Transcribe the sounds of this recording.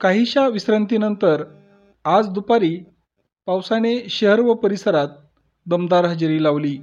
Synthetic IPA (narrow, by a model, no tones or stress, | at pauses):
kaɦiːɕaʋisɾənt̪iːnənt̪əɾ | ad͡zd̪upaɾiː | pawsaneɕəɦəɾʋəpəɾisəɾat̪̚ | d̪əmd̪aɾɦəd͡ʑɾiːlaʋliː